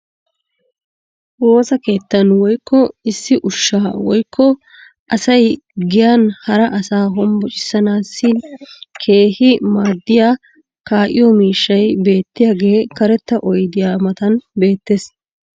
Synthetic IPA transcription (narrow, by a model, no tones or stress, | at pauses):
wo̞ːsɐke̞ːt̪ːɐnwɔjkʰːɔɪsːɪʔʊʃːaːwɔjkːɔ | ʔɐsɐjɡɪjaːnhɐɾɐʔɐsaːɦɔmbɔt͡ʃʼɪ̥sːɐnaːsːɪnkʰe̞ːhɪmaːd̪ːɪjaː | kaːʔɪ̰jɔmiːʃːɐjbe̞ːt̪ːɪjaːɡe̞ːkɐɾɛt̪ːɐʔɔjd̪ɪjaːmɐt̪ɐnbe̞ːt̪ːeːs